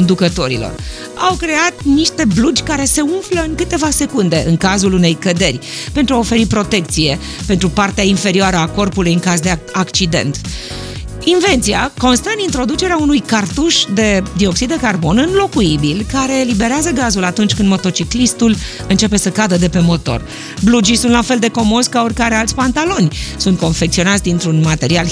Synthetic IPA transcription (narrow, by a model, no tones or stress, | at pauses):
ond̪ukət̪o̞ɾḭlo̞̰r | a̰wkɾe̞at̪niʃt̪e̞blud͡ʒʲkaɾe̞se̞unfləɨŋkɨt̪e̞vase̞kund̪e̞ʔɨŋkazulune̞jkəd̪e̞rʲpent̪ɾuao̞fe̞ɾipɾo̞t̪e̞k̚t̪sije̞ | pe̞nt̪ɾupart̪eainfe̞ɾioaɾəako̞rpulujɨŋkazd̪e̞akt͡ʃid̪e̞̰nt̪ | inve̞nt̪siako̞nst̪ənint̪ɾo̞d̪ut͡ʃe̞ɾeaunujkart̪uʃd̪e̞d̪io̞ksid̪d̪ekarbo̞nɨnlo̞kuibilkaɾe̞libe̞ɾeazəɡazulat̪unt͡ʃʲkɨnd̪mo̞t̪o̞t͡ʃiklist̪ul | ɨnt͡ʃe̞pe̞səkad̪əd̪e̞pe̞mo̞t̪o̞̰r | blud͡ʒisunt̪lafe̞ld̪e̞ko̞mo̞skaorkaɾealt̪sʲpant̪alo̞nʲsunt̪̚ko̞nfe̞k̚t̪sio̞nat̪sʲd̪int̪ɾunmat̪e̞ɾial